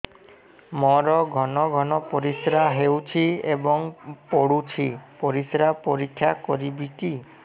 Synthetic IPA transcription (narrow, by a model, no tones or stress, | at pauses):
mɔɾɔɡʱɔnɔɡʱɔnɔpoɾisɾaɦewt͡ʃʰiebɔŋpoɽut͡ʃʰipoɾisɾapoɾikʰːjakɔɾibiki